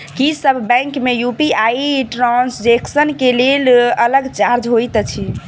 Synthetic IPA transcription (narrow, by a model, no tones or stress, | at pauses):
kisəbʱːɛ̃ŋkmejupiajiʈɾãnsd͡ʒeksənkelelələɡt͡ʃaɾd͡ʒɦojt̪t͡ʃʰi